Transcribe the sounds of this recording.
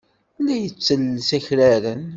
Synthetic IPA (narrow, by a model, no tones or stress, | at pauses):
lːæjət͡sːəlsæçɾæɾən